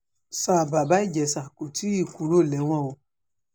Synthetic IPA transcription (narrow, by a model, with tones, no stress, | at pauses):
sa˨ba˨ba˨˦i˦d͡ʒɛ˨˦sa˨ku˨tʰi˦i˦˨ku˨˦ɾo˦˨lɛ˨˦w̃ã˦˨wo˧